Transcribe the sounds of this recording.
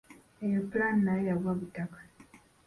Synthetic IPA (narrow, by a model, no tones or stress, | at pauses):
ejoplaːnːajaβwaβutakḁ